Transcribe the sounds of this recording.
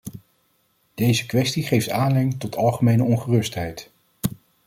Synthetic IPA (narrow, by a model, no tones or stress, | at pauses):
d̥ejzəkʋɛstiχejftaːnlɪŋtɔtʰɑlˠχəmejnəɔnχərɵstɦɛjt